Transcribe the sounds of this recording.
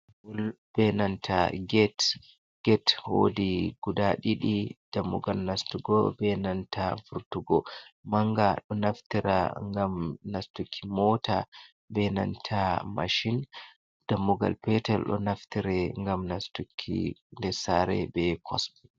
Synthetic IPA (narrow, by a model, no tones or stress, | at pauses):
ulb̥ɛnantʰaɡɛt | ɡ̥ɛtho̰diɡ̥udaɗiɗid̥amːuɡalnastuɡɔbɛnantafuɾtuɡɔmaŋɡaɗɔnaftiɾa̰ŋɡamnastukʰːimɔta | bɛna̰ntʰama̰ʃin | d̥amːuɡa̰lpɛtɛlɗɔ̰naftiɾɛŋɡamnastukʰːḭndɛsaɾɛ̰bɛkʰɔsbi